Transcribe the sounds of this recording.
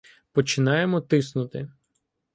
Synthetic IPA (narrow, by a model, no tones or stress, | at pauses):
pɔt͡ʃɪnɑjemɔt̪ɪsnʊt̪ɪ